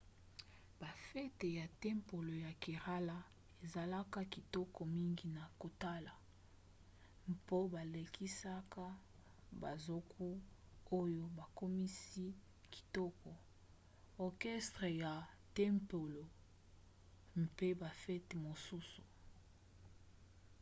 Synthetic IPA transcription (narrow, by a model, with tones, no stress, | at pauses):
b̥a˨fɛ˦te˨ja˨tɛ˦mpo˨lo˨ja˨ki˨ʁa˦la˦ | e˨za˨la˦ka˦ki˨tɔ˦kɔ˨mi˦ŋɡi˨na˨ko˨ta˦la˨ | mpo˦ba˨le˨kʰi˦sa˦ka˦ | ba̰˨zo˦kʰu˦o˦jo˦ba˨ko˦mi˦si˦ | ki̥˨tɔ˦kɔ˨ | ɔ˨kɛ˦stʁe˨ja˨ | tɛ˦mpo˨lo˨ | mpe˦ba˨fɛ˦te˨mo˨su˦su̥˨